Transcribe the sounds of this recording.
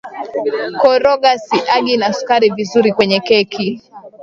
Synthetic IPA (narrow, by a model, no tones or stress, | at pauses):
kɔɾɔɡasiʔaɡinasu̥kaɾivizuɾikwɛɲɛkɛkʰi